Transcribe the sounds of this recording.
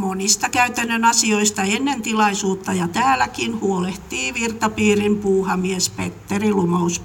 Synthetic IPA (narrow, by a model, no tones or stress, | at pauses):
monist̪ɑkæyt̪ænːønɑsioist̪ɑenːent̪ilɑisuːt̪ːɑjɑt̪æːlækinhuoleht̪iːʋirt̪ɑpiːrimpuːhɑmiespḛt̪ːerilumous